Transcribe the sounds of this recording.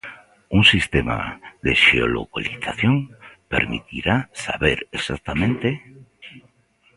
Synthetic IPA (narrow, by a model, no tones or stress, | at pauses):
uŋsist̪ema̰ðeʃeolokaliθaθjoŋpeɾmit̪iɾasaβeɾesak̚t̪amẽnt̪e